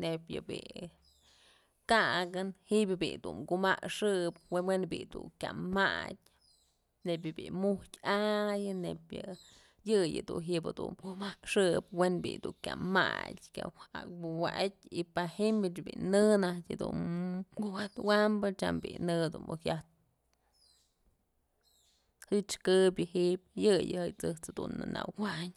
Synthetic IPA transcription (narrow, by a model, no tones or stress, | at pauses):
nepʲjɨbḭ | kaʔɡɨnhibjɨbḭd̪umkumakʂɨp̚wewenbid̪ukʲama̰dʲ | neb̬ʲjɨbimuhtʲajɨnepjɨ | jɨjɨd̪uɦiʔbɨd̪ṵnkumakʂɨpwenbḭd̪ukʲama̰tʲkʲja̰a̰kbuwaʔat̚ʲipahimɨt͡ʃbḭnɨnahtʲɨd̪unkuwat̪wambɨt͡ʃa̰mbinɨd̪unbuhjaht̪̚ | hɨt͡ʃkɨbʲjɨhip̚jɨjɨhɨjt͡sɨht͡shad̪unːɨna̰wwaʔɲ